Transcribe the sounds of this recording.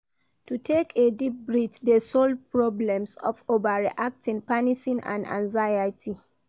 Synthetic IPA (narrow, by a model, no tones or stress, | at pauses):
tutʰekʰedip̚bɹitdesɔldpɹɔblɛ̃msɔ̰fovaɹḭʔak̚tĩŋpaniʃĩnã̰ndã̰nzajatʰi